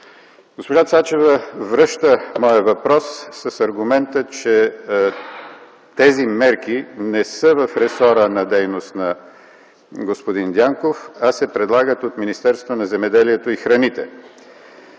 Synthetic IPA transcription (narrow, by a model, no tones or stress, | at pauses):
ɡ̥ospoʒat̪sat͡ʃɛvəvɾɤʃt̪əmɔjəvɐpɾɔsːɐsɐɾɡʊmɛnt̪ət͡ʃɛ | t̪ɛzimɛɾk̟inɛsəvɐfɾɛsɔɾənɐd̪ɛjnost̪nɐ | ɡospod̪ind̪ʲaŋkofasɛpɾɛd̪lˠaɡət̪ot̪minist̪ɛɾst̪vonɐzɛmɛd̪ɛliɛt̪oixɾɐnit̪ɛ̰